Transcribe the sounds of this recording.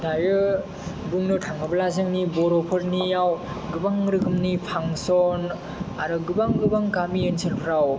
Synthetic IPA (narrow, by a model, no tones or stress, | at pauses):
dajɾɯ | buŋnɯtʰaŋɯbɐlazɯŋnibɔɾɔpʰɯɾnijaw | ɡɯbaŋɾɯkʰɯmnipʰaŋsɔn | aɾɯɡɯbaŋɡɯbaŋkamijɯnsʰelpʰɾaw